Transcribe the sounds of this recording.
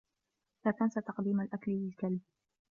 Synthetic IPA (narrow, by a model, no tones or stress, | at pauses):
laːk̪ansat̪ɑqd̪iːmalʔakllɪlkalb̚